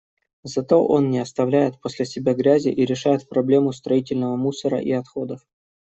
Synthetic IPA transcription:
zɐt̪o̞ʔo̞nnʲɪɐst̪ɐvlʲæjɪt̪̚posʲlʲɪsʲɪbʲaɡɾʲæzʲɪ̰ʔiɾʲɪʂajɪt̪̚pɾɐblʲe̞mʊst̪ɾɐitʲɪlʲnəvəmusəɾə̰ʔiɐt̪xo̞d̪əf

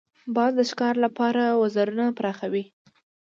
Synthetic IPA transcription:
bɑd̪d̪əʃkɑɾlapɑɾawazaɾunapɾɑxawi

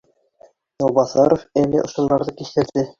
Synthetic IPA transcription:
j̪ɒlˠbɑθɑɾofælɘ̰ʔŏʃɤ̆nd̪ɑɾðɤkist̪ɘ̆ɾd̪ɘ

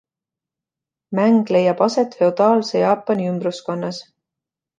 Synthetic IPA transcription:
mæŋɡ̥le̞jɑb̥ɑse̞t̪fe̞od̪̥ɑːlse̞jɑːpːˑɑniymbrusko̞nːɑs

